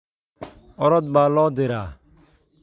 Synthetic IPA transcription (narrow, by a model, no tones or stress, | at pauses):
ɔɾɔd̪̚baːlɔːd̪eɾa